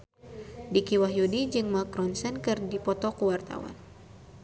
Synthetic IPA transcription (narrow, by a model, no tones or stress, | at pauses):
dikiwaɦjudid͡ʒɨŋmakɾɔnsɛnkɨrdipɔt̪ɔkuwart̪a̰wa̰n